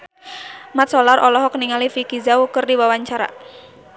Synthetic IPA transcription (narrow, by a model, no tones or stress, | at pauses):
mat̪̚sɔlarɔlɔɦɔkniŋalifikizaukɨrdiwawaɲt͡ʃaɾa̰